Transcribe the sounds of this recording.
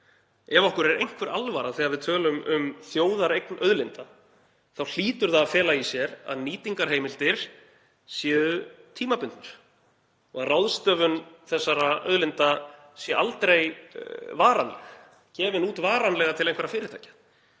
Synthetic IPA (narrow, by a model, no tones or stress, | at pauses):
ɛvɔhkʏɾɛɾejŋ̥kʰvɛɾalvaɾaθɛːaðvɪðt̪ʰœːlʏmʏmθjoːwðaɾejknœðlɪnt̪a | θawl̥iːt̪ʏɾθaːfɛːlaisjɛɾa̰ðniːt̪iŋkaɾ̥ɦejmɪlt̪ɪɾ̥ | sjɛːðʏt̪ʰiːmapʏnt̪nʏɾ̥ | ɔɣaðrawðst̪œːvʏnθɛsːaɾaœ̰ðlɪnt̪a | sjɛʔalt̪ɾejvaːɾanlɛ̰x | cɛːvɪnuːt̪vaːɾanlɛɣat̪ʰɪlejŋkvɛɾafɪːɾɪɾ̥t̪ʰajcḁ